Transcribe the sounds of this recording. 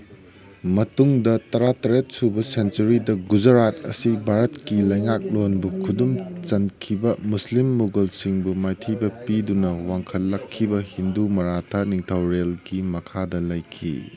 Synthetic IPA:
mɐtuŋdɐtɐɾatɐɾet̚subɐsentɐɾidɐɡud͡ʒɐɾat̚ɐ̰sibʱaɾɐtkilɐjŋak̚lonbukʰudumt͡ʃɐnkʰibɐmuslimːuɡɐlsiŋbumajtʰijbɐpidunɐwaŋkʰɐlːɐkʰːibɐhindumɐɾatʰaniŋtʰɐwɾelɡimɐkʰadɐlɐjkʰḭ

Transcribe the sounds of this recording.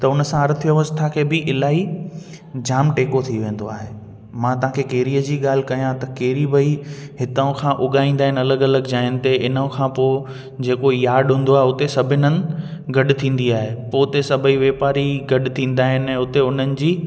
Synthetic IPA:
t̪ɐʊnəsãɐɾt̪ʰjəʋəst̪ʰakʰeːbɪʔɪlaːɦi | d͡ʑaːmʈeːkot̪ʰiʋẽːn̆d̪oaːɦeː | mãt̪ɐɦãkʰekeːɾiːəd͡ʑiːɠaːl̤ɪkɐjãt̪ɐkeːɾibɐiɦɪt̪əʊ̃kʰãʔʊɠaːĩːnd̪aːɦɪnɐləɡɐləɡd͡ʑaːɦɪnɪ̆t̪eɪnə̃kʰãpoː | d͡ʑeːkojaːɖɦũːn̆d̪oaːɦeʊt̪esɐbʱɪnənɪ̆ɡɐɗ̆t̪ʰĩːn̆d̪iaːɦepoːt̪esɐbʱəiʋeːpaːɾiɡɐɗ̆t̪ʰĩːn̆d̪aːɦɪnɛ̃ːʊt̪eʊn̤ənɪ̆d͡ʑiː

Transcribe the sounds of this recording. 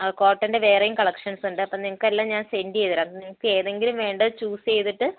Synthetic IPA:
ɐko̞ːʈːɐnde̞ʋe̞ːrɐjumkɐɭɐkʂɐnsuɳɖɨɐpːɐmniŋɐkːɐlːaːɲaːnsendiejðiɾaːniŋɐkːɨe̞ːðe̞ŋɡilumʋe̞ːɳɖɐðɨt͡ɕuːst͡ɕe̞jt̪iʈːɨ

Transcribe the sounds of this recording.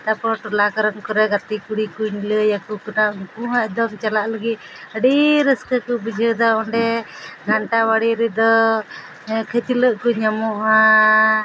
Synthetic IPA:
t̪apɔɽ̃ɔʈulakəɾɔnkɔɾɛɡat̪ikuɽikuɲləjakukuʈaŋkuɦɛd̪ɔmt͡ʃalaʔləɡi | əɖiɾəskəkubid͡ʒʱəd̪aɔɳɖɛɡʱaɳʈawaɽiɾid̪ɔ | kʰet̪iləʔkuɲamɔʔa

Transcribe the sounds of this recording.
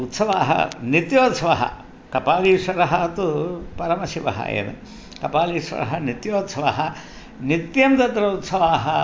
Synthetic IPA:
ut̪sɐʋaːɦɐ̰nit̪joːt̪sɐʋɐɦɐ̰ | kɐpaːliːʂʋɐɾɐɦɐt̪upɐɾɐmɐsiʋɐ̰ɦɐ̰ḛːʋḛ | kɐpaːliːʂʋɐ̰ɾɐɦɐnit̪joːt̪sɐʋaːɦɐ | nit̪jɐmt̪ɐd̪ɾɐut̪sɐʋaːɦɐ

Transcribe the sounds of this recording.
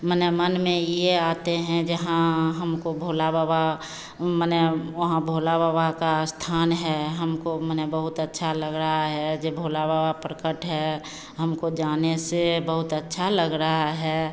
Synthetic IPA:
mənɛmənmẽjeaːt̪eɦɛ̃d͡ʒəɦãɦəmkobʱoːlababa | mənɛʋəɦãbʱoːlababakast̪ʰaːnɦɛɦəmkomənɛbəɦʊt̪ətːʃʰaləɡɾəɦaɦɛd͡ʒebʱoːlabawapɾəkəʈɦɛ | ɦəmkod͡ʒaːnesebəɦʊt̪ətːʃʰaləɡɾəɦaɦɛː

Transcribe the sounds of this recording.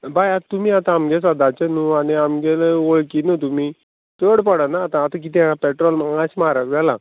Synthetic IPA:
bajat̪umiːat̪ãːmɡɛs̬ad̪at͡ɕenuaɽiamɡɛloɭkinut̪̬umi | t̪əɽpəɽanaːt̪ãːt̪ãk̬it̪ãpɛʈɾɔlmaaɕmaɾaʋɛla

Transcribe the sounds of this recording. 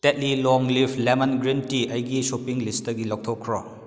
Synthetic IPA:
tet̚lilɔŋlipʰlemɐnɡɾintiʔɐjɡisopiŋlistɐɡilɔk̚tʰɔkʰɾɔ

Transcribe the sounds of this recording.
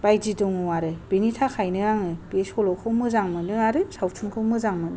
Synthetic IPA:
b̥ajd͡ʒidɔŋɯwaɾɯb̥initʰakʰajnɯɾaŋɯb̥esɔlɔkʰɯwmɯzaŋmɯnɯaɾɯsawtʰuŋkʰɯwmɯzaŋmɯnɯ

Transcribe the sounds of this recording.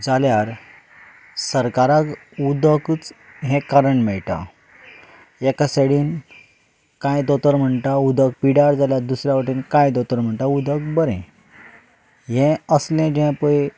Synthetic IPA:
d͡zaljaɾ | səɾkaɾak | ud̪əkːt͡s | ɦɛ̃kaɾəɳmɛɭʈa̰ | ekasəɽiːn | kãjd̪ɔt̪əɾm̤əɳʈaud̪ək̚piɽaɾd͡zaljaɾd̪usɾjaʋəʈiːnkãjd̪ɔt̪əɾm̤əɳʈ̪aud̪əkbəɾḛ̃ | ɦɛ̃əslẽd͡ʑẽpəj

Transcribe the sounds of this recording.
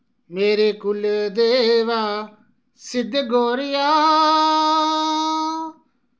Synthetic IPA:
meːɾeːkʊld̪eːʋaː | sɪd̪ɡoːɾɪjaː

